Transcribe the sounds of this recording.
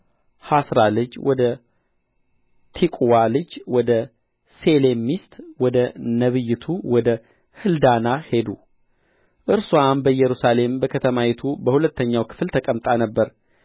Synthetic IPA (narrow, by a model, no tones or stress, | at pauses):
hasɾalɨd͡ʒwɔd̪ə | t̪ʰikʼwalɨd͡ʒwɔd̪ə | sele̞mːist̪ʼwɔd̪ənəβɨjːɪt̪ʰuwɔd̪ə | hɨld̪anahe̞d̪u | ʔɨɾsuanbəjɛɾusale̞mbəkʰət̪ʰəmajɛt̪ʰubəhulət̪ːəɲːawkʰɨ̥flt̪ʰəkʼəmt̪ʼanəbːəɾ